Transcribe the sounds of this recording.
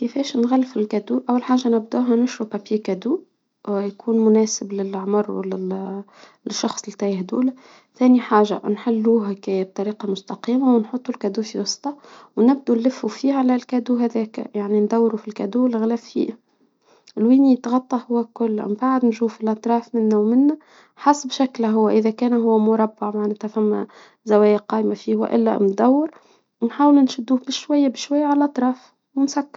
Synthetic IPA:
kɪfɛːʃnɣælːfɪlkæd̪uːʔæwːalħaːʒːanɪbd̪uːɦænʊʃɾupæpjeːkæd̪uː | jkʰuːnmʊnæːsɪblɪlʕmɑɾˤw̰lɪ | ʃːɑxsˤlt̪æjhd̪ṵːlæ | θæːniħaːʒa̰nħɪlːuːɦækæb̚t̪ˤɑɾiːqɑmʊst̪ɑqiːmawɪnħot̪ˤːulkæd̪uːfiwɑsˤt̪ˤɑwnɪb̚d̪unlːɪfːufiːhælælkæd̪uɦæðɛːkæ̰jaʕnind̪æwːɾufilkæd̪uːlɣlæffḭː | ɪlwiːnijɪt̪ɣɑt̪ˤːɑhʊwːækʊlːʔmbaʕd̪nʃuːfilʔɑt̪ˤɾˤɑːfmɪnːæwmɪnːæ | ħasbʃæklæɦʊwːæʔɪðækæːnɦʊwːæmʊɾˤɑbːɑʕmaʕnæːt̪hæfæmːæ̰ | zæwæːjæqɑːʔmafiːhwæ̰ʔɪlːæ̰mnd̪æwːɪɾ | nħaːwlnʃɪd̪ːuːhbɪʃwæjːabɪʃwajːaʕalʔɑt̪ˤɾˤɑːf | wɪnsækːɑɾ

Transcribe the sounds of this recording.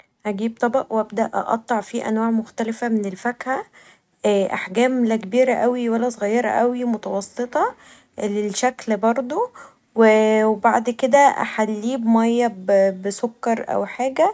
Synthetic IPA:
ʔæɡiːb̚t̪ˤɑbɑʔwʔæbd̪æʔʔɑ̰ʔɑ̰t̪ˤːɑʕfiːʔæ̰nwaːʕmoxt̪ælefæmenelfækhæ | ʔːʔaħɡæːmlækebiːɾæʔæwiwælːæsˤoɣæjːɑɾˤɑ̰ʔæwimot̪ɑwɑsːet̪ˤɑ | lelʃæklbɑɾˤd̪ˤo | wewebaʕd̪ked̪æʔæ̰ħalːiːbmɑjːɑbbsokːɑɾˤʔæ̰wħaːɡæ

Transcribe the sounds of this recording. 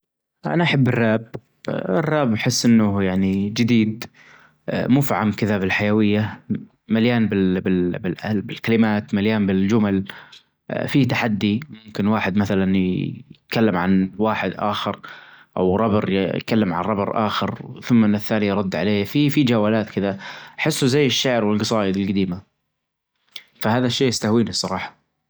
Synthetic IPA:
ʔa̰naʔaħabːɪrːaːb̚ | ɪrːaːbħɪsːʔɪnːʊjaʕnid͡ʒɪd̪iːd̪ | muːfiʕamkɪðabɪlħajawɪjːa | maljaːnbɪlbɪlbɪlʔalbɪlkalɪmaːt̪maljaːnbɪld͡ʒʊmal | fit̪aħad̪ːimʊmkɪnwaːħɪd̪maθalanjɪt̪kalːɪmʕanwaːħɪd̪ʔa̰ːxɪɾʔa̰wɾˤɑbɨɾjjkalːɪmʕa̰nɾˤɑbɨɾˤʔa̰ːxɪɾθʊmːnːɪθːaːnijɾˤɑd̪ːʕaleːfifid͡ʒaːwaːlaːt̪kɪðaħɪsːuzajːɪʃːaʕɾwɪlɡɑsˤɑːjɪd̪ɪlɡad̪iːma | fahaːðaʃːeːjɪst̪ahwiːnisˤɑɾˤɑːħɑ̥

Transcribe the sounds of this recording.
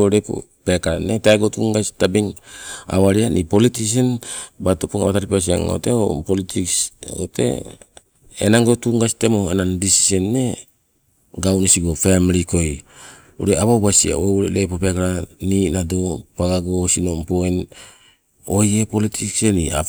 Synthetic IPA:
oɾepo̰ | pekaɾaneteaɡotuŋɡasi̥tabiŋa̰waɾianʔipolitis̬enbatopuŋa̰βataɾipas̬ia̰ŋo̰teo̰politʰiksotʰḛ | ḛnaŋɡo̞tuŋɡasitemoenandisi̥senːe̞ | ɡawnesiɡo̞femliko̞j | ṵɾeaβawbasia̰ouɾelepopekaɾaninado̞paɡaɡosino̞mpoen | ojepolitʰiksenia̰

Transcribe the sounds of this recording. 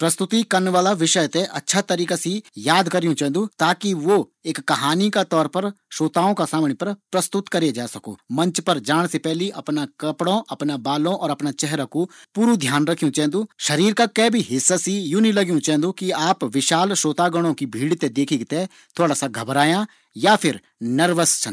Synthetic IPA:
pɾɐst̪ʊt̪ikɐɾnʋaːlaʋɪʃəjt̪eʔɐtːʃʰat̪ɐɾiːkasijaːd̪kɐɾijũt͡ʃɛ̃ːnd̪ut̪aːkiʋoeːkːɐɦaːnikat̪ɔːɾpɐɾʃoːt̪aːõkasaːmɽ̃epɐɾpɾɐst̪ʊt̪kɐɾed͡ʒaːsɐko̰ːmɐ̃nt͡ʃpɐɾd͡ʒaːɽ̃sepɛɦliʔɐpnakɐpɽõʔɐpnabaːlõʔɔːɾɐpnat͡ʃɛɦɾakopuːɾud̪ʱjaːnɾɐkʰijũt͡ʃɛ̃ːnd̪uʃɐɾiːɾkakɛːbʱiɦɪsːasijũːnĩlɐɡjũt͡ʃɛ̃ːnd̪ukiaːpʋɪʃaːlʃoːt̪aɡʊɽ̃õkibʱiːɽt̪ed̪eːkʰiɡt̪e | t̪ʰoːɽasaɡʱɐbɾaːjã | japʰɪɾ | nɐɾʋəst͡ʃʰɐ̃

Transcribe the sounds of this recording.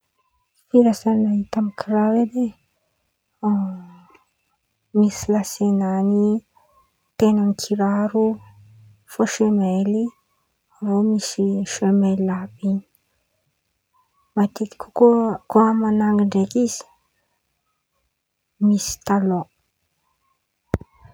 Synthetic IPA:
fiɾasanait̪amikʰiɾawed̪e | misilasenani | t̪enaŋkʰiɾaɾu | foʃemeli | vomisiʃemɛlapiɲ | mat̪it̪i̥kʰukokoamanaŋɡdekisi̥ | misi̥t̪alo

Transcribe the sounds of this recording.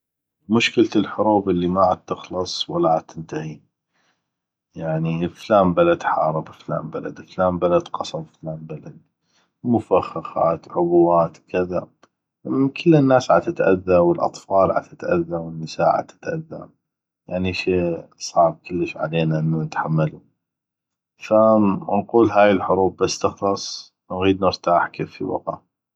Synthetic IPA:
mʊʃkɪlt̪ɪlħʊɾuːbʔɪlːimaʕat̪ːɪxlɑsˤwalːaʕat̪ːɪnt̪ahi | jaʕniflaːmbalad̪ħɑːɾˤɨbəfla̰ːmbala̰d̪flaːmbalad̪qɑsˤɑmflaːmbalad̪̚ | mʊfaxɑxɑ̰ːt̪ʕʊbwaːt̪kʰɪða | kʰəlːɪnːaːsʕat̪ɪt̪ʔa̰ðːawəlʔɑ̰t̪ˤfɑːlʕa̰t̪ɪt̪ʔa̰ðːawənːəsaːʕa̰t̪ɪ̥t̪ʔa̰ðːa̰ | jaʕniʃeːsˤɑːɾkəlːəʃʕa̰leːnaʔənːunət̪ħamːalu | fanquːlɦaːjɪlħʊɾuːb̚ːasːt̪ɪxlɑsˤ | nɣiːd̪nəɾt̪aːħkeːfḭwɑ̰qa̰

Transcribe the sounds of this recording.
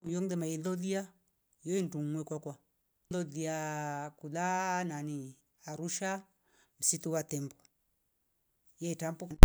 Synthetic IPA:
jɔŋdɛmailɔðia | jɔintuŋːwɛkakwa | lɔliakulanani | aɾuʃa | m̩sit̪uwat̪ɛmba | jɛtampu

